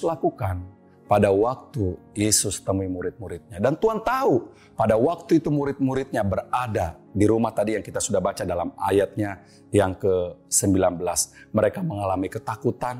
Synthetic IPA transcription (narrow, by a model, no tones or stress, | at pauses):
lakukan | padawak̚t̪u | jesʊst̪əmuimuɾɪt̪̚muɾɪt̪̚ɲadant̪uant̪au | padawak̚t̪uit̪umuɾɪt̪̚muɾɪt̪̚ɲabəradadiɾumaht̪adijaŋkit̪asudahbat͡ʃadalama̰jat̪̚ɲa | jaŋkəsəmbilanbəlasməɾekaməŋalamikət̪akut̪an